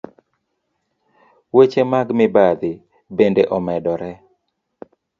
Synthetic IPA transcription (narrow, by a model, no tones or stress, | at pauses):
wet͡ʃemaɡmɪbad̪ɪ | bendeʔɔmɛdɔɾɛ